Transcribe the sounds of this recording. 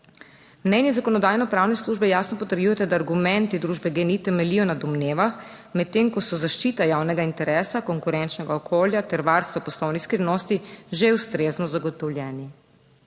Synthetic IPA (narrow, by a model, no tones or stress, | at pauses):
mnɛnjɛzakɔnɔd̪aːjnɔpɾaːwnɛsluːʒbɛjaːsnɔpɔt̪əɾjujɛt̪ad̪aːɾɡumɛnt̪id̪ɾuːʒbɛɡeːnit̪ɛmɛlijɔnad̪ɔmneːʋax | mɛt̪ːeŋkɔsɔzaʃt͡ʃiːt̪ajawnɛɡaint̪ɛɾɛːsakɔŋkuɾɛnt͡ʃnɛɡaɔkoːljat̪ɛɾʋaɾst̪ʋapɔslɔwnixskɾinɔst̪iʒewst̪ɾeznɔzaɡɔt̪ɔwljɛːni